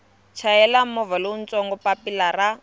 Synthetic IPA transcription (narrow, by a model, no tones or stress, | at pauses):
t͡ʃʰaɛlamɔvalon̩t͡sɔŋɡɔpapilara